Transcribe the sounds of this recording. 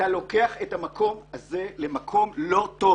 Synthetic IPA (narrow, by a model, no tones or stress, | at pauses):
alo̞ke̞aχetamakʰo̞mazelemakʰo̞mlo̞to